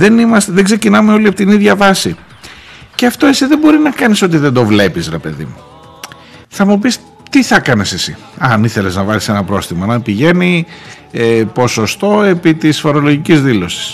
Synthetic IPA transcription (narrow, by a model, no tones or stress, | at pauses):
ðe̞nimɐst̪eðeɡze̞cinɐmeo̞liɐpot̪iniðʝɐvɐsi | ceɐft̪o̞e̞siðembo̞ɾinɐkɐniso̞t̪̬iðe̞nd̪o̞vle̞pisɾepe̞ðḭmu | θɐmup̬is | t̪iθɐkɐnese̞sḭ | ɐniθe̞le̞znɐvɐlise̞nɐpɾo̞sθimɐnɐpiʝe̞ni | epo̞so̞st̪o̞e̞pit̪isfo̞ɾo̞lo̞ʝicizðilo̞si̥s